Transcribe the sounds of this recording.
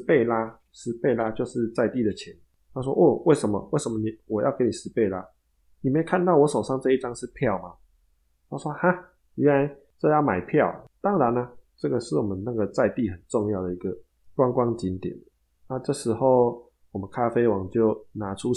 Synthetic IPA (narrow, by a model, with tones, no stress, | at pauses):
pe˥˩ɪla˧ | ʂɻ̩˧˥pe˥˩ɪla˦t͡ɕjo˥˧ʊʂɻ̩˥˧t͡sa˥˧ɪt̪i˥˨d̪ə˩t͡ɕʰjɛ˨˦n | t̪ʰa˥s̬wɔ̰˦ʔɔ˥˩we˥˩ɪʂə˨˦nmɔ̰˨we˥˩ɪʂə˧˦mɔ˨ni˨˩wɔ˨˩jɑ̰˥˩ʊke˧˥ni˨˩ʂɻ̩˧˦pe˥˩ɪla˦ | ni˨˩me˧˥˨kʰa˥˧nt̪ɑ˥˩ʊwɔ˧˦ʂo˨ʊʂɑ˥˧ŋt͡sɤ˥˧i˥˩ʈ͡ʂɑ˥˦ŋʂɻ̩˥˧pʰjɑ˥˨ʊma˨ | t̪ʰa˥ʂwɔ˦˥ha˥˩ | ɛ˦nla˧˦ɪ | ʈ͡ʂɤ˥˧jɑ˥˩ʊma˨˩ɪpʰjɑ˥˨ʊt̪ɑ˦˥ŋɻa˨˦na˦ʈ͡ʂɤ˥˩ɡə˨ʂɻ̩˥˩wɔ˨˩mə˦nna˥˩ɡə˩t͡sa˥˧ɪt̪i˥˨xə˨˩nʈ͡ʂɔ˥˧ŋjɑ˥˩ʊd̪ə˩i˧˥ɡə˨ | kwɑ˥˦ŋkwɑ˥˦ŋt͡ɕi˧˦nt̪jɛ̰˨˩˦n | na˥˧ʈ͡ʂɤ˥˩ʂɻ̩˧˥xo˥˨ʊ | wɔ˨˩mə˨˦nkʰa˦˥fe˥ɪwɑ˨˦ŋt͡ɕjo˥˩ʊna˧˦ʈ͡ʂʰu˦